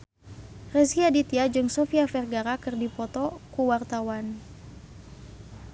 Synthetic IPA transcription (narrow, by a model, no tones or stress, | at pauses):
rɛsiadit̪iad͡ʒɨŋsofiafɛrɡaɾakɨrdipɔt̪ɔkuwart̪awan